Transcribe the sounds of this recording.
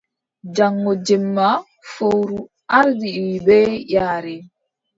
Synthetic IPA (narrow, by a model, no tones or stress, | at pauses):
d͡ʒaŋːɔd͡ʒɛmːa | fowɾu | ʔaɾdiwibɛjaːɾɛ